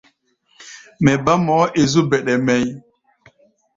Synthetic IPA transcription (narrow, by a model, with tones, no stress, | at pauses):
mɛ˨ba˦mɔ˨˦ʔe˨zu˦bɛ˨ɗɛ˨mɛ˨j